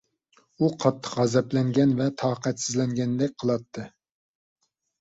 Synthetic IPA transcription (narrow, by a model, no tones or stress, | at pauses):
uqʰɑt̪ʰːə̥qʁɛzɛplɛŋɡʲɛnvɛt̪ʰɑːqʰɛt̪sɪzlɛŋɡʲɛnd̪ɛk̚ʲqʰəlˠɑt̪ʰːɨ